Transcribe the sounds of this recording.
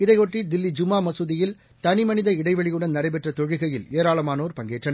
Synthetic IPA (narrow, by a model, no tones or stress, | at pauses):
ɪðɐɪoːʈrid̪ɪlːid͡ʒʊmaːmɐsɯðɪjɪl | t̪ɐnɪmɐnɪðɐɪɽɐɪʋɐɭɪjɯɽɐnnɐɽɐɪpɛʈrɐt̪ɔɻɪɣɐjɪleːɾaːɭɐmaːnoːɾpɐŋɡeːʈrɐnɐ